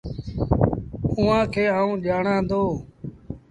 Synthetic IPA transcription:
ʊːãːkʰeːaːũːʄaːɳãːd̪oː

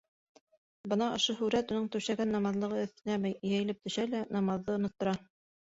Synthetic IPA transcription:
bɤnɑŏʃoɦʉɾæt̪unɤɴt̪ɵwʃæɡænːɑmɑðlˠɤ̆ʁɤɘ̆θt̪ɘ̆næmæjjæjɘ̆lɘp̚t̪ɵ̆ʃælænɑmɑðːɤŏnŏt̪ːŏɾɑ

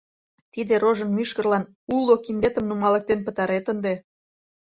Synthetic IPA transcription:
t̪id̪eɾoʒənmyʃkərlɑn | ulːokind̪et̪ə̆mnumɑlə̆k̚t̪enpə̆t̪ɑɾet̪ənd̪e

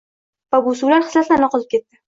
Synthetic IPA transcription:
vabusuwlaɾɨ̥slaslanaɒqʰɒlɪp̚kʲe̞t̪̚ːɪ

